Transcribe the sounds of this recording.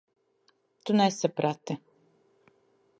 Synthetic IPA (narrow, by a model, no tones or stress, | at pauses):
t̪unɛsapɾat̪i